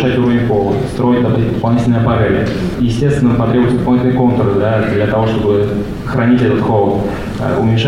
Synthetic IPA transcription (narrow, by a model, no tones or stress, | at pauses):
ʂatʲuɾəvʲnʲɪxolˠət̪st̪ɾo̞jɪt̚ʲd̪ɐbɨtʲd̪əpɐlˠnʲitʲɪlʲnəjəpɐɾʲavʲɪəjɪsʲtʲest̪vʲɪnəpɐt̪ɾʲebʊjɪt̪səd̪pɐlˠnit̪ʲnəko̞nt̪əɾd̪ad̪lʲət̪ɐvoʂt̪o̞bɨ | xɾʔɐnʲitʲɛt̪ət̪xolˠət̪ | ə̰ʊ̰mʲɪnʲʂ